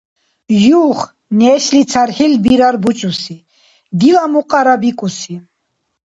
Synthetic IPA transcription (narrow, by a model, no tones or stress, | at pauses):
juχ | nɛːʃlit͡sʰaɾχilbiɾaɾbut͡ʃʼusi | d̪ilamuqʼaɾabikʼusi